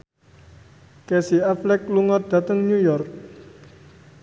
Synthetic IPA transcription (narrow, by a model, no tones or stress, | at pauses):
kɛsiaflɛk̚luŋɔd̪̥ä̤t̪əŋɲujɔrk̚